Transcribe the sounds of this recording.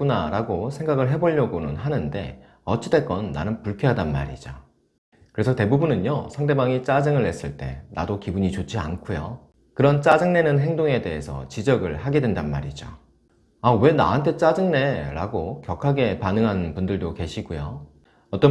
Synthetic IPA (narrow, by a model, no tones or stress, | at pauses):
unaɾaɡosʰe̞ŋɡaɡɯɭɦe̞boʎːʌɡonɯnɦanɯnde̞̰ | ʌt͡ɕʰide̞k͈ʌnːa̰nɯnpuɭkʰjʌɦadanma̰ɾid͡ʑo | kɯɾe̞sʰʌte̞bubunɯnjosʰaŋde̞baŋit͡ɕ͈ad͡ʑɯŋɯɭːe̞s͈ɯɭt͈e̞̰na̰dokibuɲit͡ɕot͡ɕʰia̰nkʰujo | kɯɾʌnt͡ɕ͈ad͡ʑɯŋne̞nɯnɦe̞ŋdoŋe̞de̞ɦe̞sʰʌ̰t͡ɕid͡ʑʌɡɯɭhaɡe̞dwendanma̰ɾid͡ʑo̰ | awe̞na̰ɦantʰe̞t͡ɕ͈ad͡ʑɯŋne̞ɾa̰ɡokjʌkʰaɡe̞panɯŋɦanpundɯɭdoke̞ɕʰiɡujo | ʌt͈ʌ